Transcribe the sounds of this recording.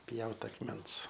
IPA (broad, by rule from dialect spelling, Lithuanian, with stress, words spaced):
ˈpʲjɛʊt ɐkˈmʲɛns